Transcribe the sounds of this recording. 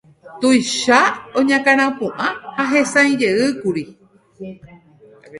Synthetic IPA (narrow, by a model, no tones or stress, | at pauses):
t̪ujʃaõɲãkaɾ̃ãpũʔãhaɦẽsãj̃d͡ʒeɨkuɾi